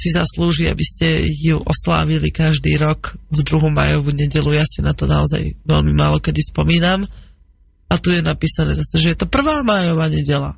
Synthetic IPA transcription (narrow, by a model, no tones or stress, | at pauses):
sizasluːʒia̰biscɛjuʔɔsla̰ːʋilikaʒd̪ḭːɾɔkvd̪ɾuɦuma̰ːjɔʋuɲɛɟɛlujaːsinat̪ɔnaɔza̰jʋɛlmimaːlɔkɛd̪ispɔmiːnam | at̪ujɛnapiːsanɛ̰ːzasɛʒɛjɛt̪ɔpr̩ʋaːmaːjɔʋaːɲɛɟɛla̰